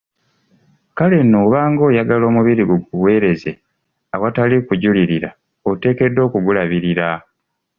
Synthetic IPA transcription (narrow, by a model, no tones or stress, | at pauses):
kale̞noβaːŋɡo̞ːjaɡalo̞ːmuβiɾiɡuɡuwe̞ːɾe̞ze | awatalikuɟuliɾiɾa̰ | ote̞ːke̞dːo̞ːkuɡulaβiɾiɾa